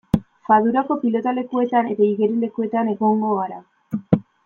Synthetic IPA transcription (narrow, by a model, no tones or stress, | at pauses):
faðuɾako̞pilo̞t̪ale̞kue̞t̪ane̞t̪aiɣe̞ɾile̞kue̞t̪ane̞ɣo̞ŋɡo̞ɣaɾa